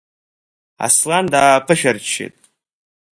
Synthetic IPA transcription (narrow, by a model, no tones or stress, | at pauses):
a̰slandaːpʰɨʃᶣart͡ʃʰḛtʼ